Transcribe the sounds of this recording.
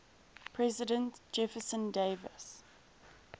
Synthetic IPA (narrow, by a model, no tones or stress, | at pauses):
pʰɹɛzɪdə̃ntd͡ʒɛfəsə̃ndeɪvəs